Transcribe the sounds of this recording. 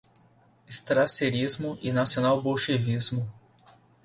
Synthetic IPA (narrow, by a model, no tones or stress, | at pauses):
ɪst̪ɾaseɾizmʊʔɪnasionawboʃevizmʊ